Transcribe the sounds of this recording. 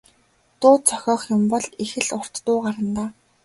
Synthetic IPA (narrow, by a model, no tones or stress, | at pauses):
t̪ʊːt̪t͡sʰœ̥xʲɔːχjʊmpɔɮixɘ̆ɮʊr̥t̪ːʊːɢaɾə̆nt̪aː